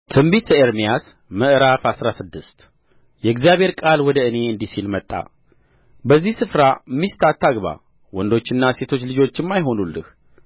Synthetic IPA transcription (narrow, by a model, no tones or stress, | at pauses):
t̪ʰɨmbit̪əeɾmijas | məʔɾafasɾasɨd̪ːɨst̪ | jɛɡzijaβhe̞ɾkʼalwɔd̪əɨne̞ɨnd̪isilmət̪ʼːa̰ | bəzːihsɨfɾamːist̪ʰat̪ʰːaɡβa̰ | wɔnd̪o̞t͡ʃːɪnːase̞t̪ʰo̞t͡ʃːlɨd͡ʒo̞t͡ʃːɪmːajɦo̞nulːɨ̰h